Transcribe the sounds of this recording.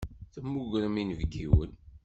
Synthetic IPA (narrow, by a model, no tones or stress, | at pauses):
θəmːuʝɾˤəminəvɡiwə̰n